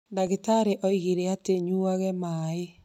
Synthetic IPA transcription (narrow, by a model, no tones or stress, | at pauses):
ndaɣetaɾeʔɔiɣiɾeateɲuaɣɛmae